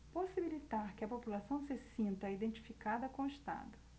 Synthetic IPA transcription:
posibilit̪aɾkɪɐpopulasɐ̃w̃sɪsĩnt̪ɐid̪ẽnt͡ʃi̥fikad̪ɐkõɪʃt̪a̰d̪ʊ

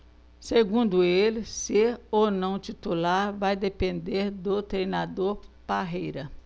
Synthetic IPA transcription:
seɡũnd̪ʊelɪseownɐ̃w̃t͡ʃit̪ulaɾvajd̪epẽnd̪eɾd̪ʊt̪ɾejnad̪oɾpaɦejɾɐ

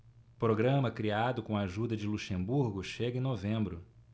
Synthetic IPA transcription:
pɾoɡɾɐ̃mɐkɾiad̪ʊkõaʒud̪ɐd͡ʒɪluʃẽmbuɾɡʊʃeɡɐẽnovẽmbɾʊ

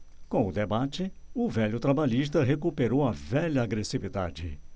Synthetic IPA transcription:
kõʊd̪ebat͡ʃɪʊvɛʎʊt̪ɾabaʎiʃt̪ɐɦekupeɾowɐvɛʎɐːɡɾesivid̪a̰d͡ʒɪ̰

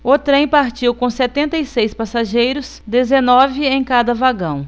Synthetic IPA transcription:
ʊt̪ɾẽj̃paɾt͡ʃiwkõsɛt̪ẽnt̪ɐjsejspasaʒejɾʊs | d̪ezenɔvɪẽj̃kad̪ɐvaɡɐ̃w̃

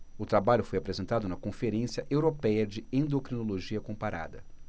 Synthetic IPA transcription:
ʊt̪ɾabaʎʊfojapɾezẽnt̪ad̪ʊnɐkõfeɾẽsjɐʔewɾopɛjɐd͡ʒɪẽnd̪okɾinoloʒiɐkõpaɾa̰d̪ɐ

